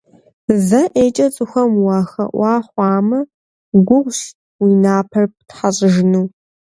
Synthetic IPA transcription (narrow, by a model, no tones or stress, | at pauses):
zɐʔeːt͡ʃʼɐt͡sʼɨxʷɐmwɑːxɐ̰ʔʷɑːχʷɑːmɐ | ɡʷʊʁʷɕ | wiːnaːpʰɐrp̚tħaɕʼɪʒɪnɨw